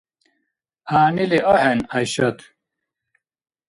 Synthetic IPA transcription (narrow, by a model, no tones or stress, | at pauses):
aːniliʔohenɐjɕɐt̪